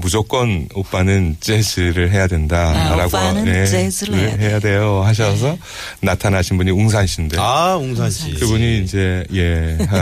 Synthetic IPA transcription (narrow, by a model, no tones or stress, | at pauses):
mud͡ʑok͈ʌnop͈anɯnt͡ɕ͈esʰɯɾɯɭɦe̞jadwe̞ndaɾaɡoneɯɦe̞jadwe̞johaɕ̬ʰʌs̬ʰʌ | natʰanɦaɕʰinbuɲiuŋs̬ʰanɕʰindeauŋsaɕikɯbuɲiːnd͡ʑe̞je̞a